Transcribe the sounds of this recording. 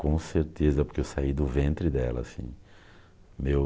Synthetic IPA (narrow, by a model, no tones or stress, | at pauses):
kõseɾt̪ezɐpoɾkeewsaid̪ʊvẽnt̪ɾɪd̪ɛ̰lɐ̰sḭ̃ | mew